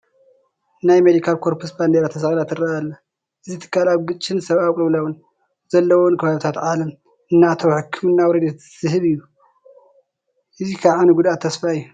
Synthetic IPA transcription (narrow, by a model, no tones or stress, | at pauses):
najmed̪ikʰalkʰoɾpʰusband̪eɾat̪ʰɐsɐxʼlat̪ɨɾɐalːa | ʔɨzit̪ʰɨ̥kːalaβɡɨt͡ʃʼːɨnsɐβaβkʼɨβlɐwun | zɐlːɐwonkʰɐβaβt̪ʰat̪ʕalɐm | ɨnːat̪ʰowħɨkʰːɨmɨnːawɾɐd̪e | z̥ɨhɨβɨjːu | ʔɨzikʰaβʕanuɡud̪at̪ʰːɐsfaɨjːu